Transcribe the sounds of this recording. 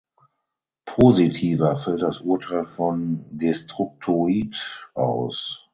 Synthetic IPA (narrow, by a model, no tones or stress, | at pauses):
pʰoːzitʰiːvɐfɛlt̚d̥asʔuɐtʰaɪlfɔndestʁ̥ʊk̚tʰoitʔa̰ʊs